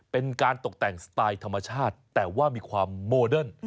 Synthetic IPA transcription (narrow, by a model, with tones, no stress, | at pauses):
pe˧nkaː˧nt̪o˨˩k̚t̪ɛ˨˩ŋsḁt̪aː˧jt̪ʰa˧mːa˧t͡ɕʰaː˥˩t̪ːɛː˨˩waː˥˩miː˧kʰwaː˧mːoː˧dɤ˥˩n